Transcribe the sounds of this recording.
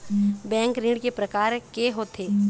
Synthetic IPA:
bɛ̃ːŋkɾĩːɽkepɾɐkaːɾkeɦoːt̪ʰeː

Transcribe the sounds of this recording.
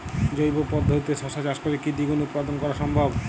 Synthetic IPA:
d͡ʑojbopɔd̪ʱːot̪it̪eʃɔʃad͡ʑaʃkoɾekid̪iɡunut̪pad̪ʱonkɔɾaʃɔmbʱab

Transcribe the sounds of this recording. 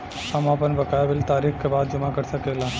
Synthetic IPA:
ɐmaːpənbɐkaːjaʋɪlt̪aːɾiːxkebaːd̪̚d͡ʒɐmakɐɾsɐkeːlaː

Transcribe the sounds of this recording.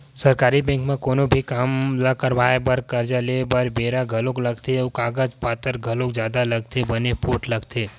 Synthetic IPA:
sɐɾkaːɾibɛ̃ːŋkmẽkoːnobʱikaːmlakəɾʋaːebəɾkəɾd͡ʒaleːbəɾbeːɾaɡʱɐlõklɐɡt̪ʰeʊkaːɡəd͡ʒpaːt̪əɾɡʱɐlõkd͡ʒjaːd̪alɐɡ̚t̪ʰebənepoːʈlɐɡt̪ʰeː

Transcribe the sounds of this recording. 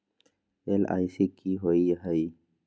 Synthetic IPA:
ela̰ːisikiɦoːiɦəi

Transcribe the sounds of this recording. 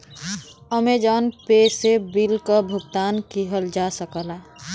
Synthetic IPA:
əmed͡ʒanpesebilkəbʱuɡt̪ankiɦəld͡ʒasəkəla

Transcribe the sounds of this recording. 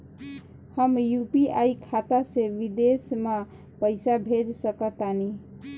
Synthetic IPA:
həmjupiaikʰat̪aseʋid̪esme | pəɪsabʱed͡ʒsəkət̪ani

